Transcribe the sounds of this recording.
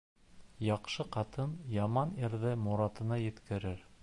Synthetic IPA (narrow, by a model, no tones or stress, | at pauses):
jɑqʃɤqɑt̪ɤnjɑmɑniɾðɘmuɾɑt̪ɤ̆nɑjɘ̆t̪kɘ̆ɾɘɾ